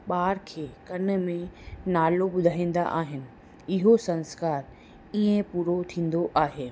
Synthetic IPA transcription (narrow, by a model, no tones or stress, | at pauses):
ɓaːɾkʰeːkɐnmẽnaːloɓʊd̪ʱaːĩːn̆d̪a̰ʔaːɦɪnɪ̆ | ɪɦosɐ̃nskaːɾ | iːẽpuːɾot̪ʰĩːn̆d̪oʔaːɦeː